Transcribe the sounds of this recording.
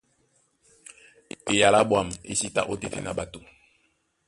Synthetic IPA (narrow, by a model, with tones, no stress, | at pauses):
e˨ja˨la˦bwa˦˨m˨ḛ˦si˦ta̰˦ʔo˦te˨tḛ˨na˨ba˨to˨